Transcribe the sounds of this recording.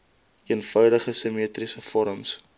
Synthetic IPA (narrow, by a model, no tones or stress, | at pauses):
iənfœwdəχəsəmiətrisəfɔɾəms